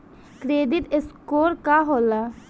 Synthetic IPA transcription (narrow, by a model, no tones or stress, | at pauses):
kɾeːd̪it̪eskoːɾkaɦola